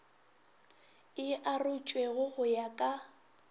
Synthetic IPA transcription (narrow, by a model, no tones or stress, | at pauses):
ɪʔarʊt͡ʃʼweɣʊɣʊjakʼa